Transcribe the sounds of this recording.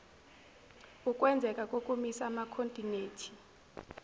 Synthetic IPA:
ukʼwɛnd͡zʱɛkʼakʼokʼumisamakʰontʼineːtʰi̥

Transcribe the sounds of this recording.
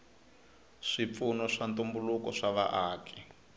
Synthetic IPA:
ʂip̪funɔʂantumbulukɔʂaβa̰ʔaːkʰɛ̥

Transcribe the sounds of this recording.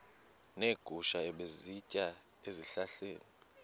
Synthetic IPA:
neɡ̥ʱuʃaɛɓezicʼa | eziɬaɬeːni

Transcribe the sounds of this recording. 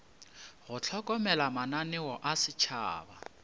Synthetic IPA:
ɣʊt͡ɬʰɔkʼɔmɛlamananɪwɔʔasɪt͡ʃʰa̰ːba̰

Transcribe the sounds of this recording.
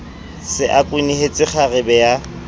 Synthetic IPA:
sɪʔakʼwɪnihet͡sʼɪχʰarɪbɛja

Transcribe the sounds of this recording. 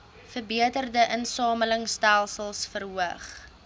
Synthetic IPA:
fərbiətərdəʔənsɑːmələŋstælˠsəlˠsfərɦuəχ

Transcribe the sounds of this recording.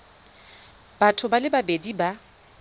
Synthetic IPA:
batʰʊbalɪbabediba

